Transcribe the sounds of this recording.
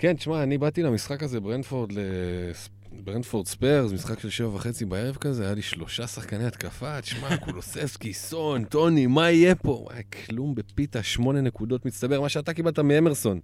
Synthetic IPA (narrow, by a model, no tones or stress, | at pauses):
kent̪i̥ʃmaːnibat̪ilamisχakazebʁendfo̞ʁd̪les | bʁendfoʁd̪speʁzmisχakʃe̞lʃe̞vavaχe̞t͡sibae̞ʁevkazeajaliʃlo̞ʃasaχkanejat̪kafat̪i̥ʃmakulosefskisont̪o̞nimaijepo̞wa̰kʰlumbe̞pitaʃmo̞ne̞ne̞kudo̞tmist̪abe̞ʁmaʃeat̪̬akibalt̪amiemeʁso̞n